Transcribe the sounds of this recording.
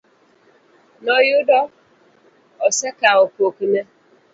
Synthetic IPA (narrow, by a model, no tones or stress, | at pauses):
nɔjʊdɔ | ɔsekaʊpokine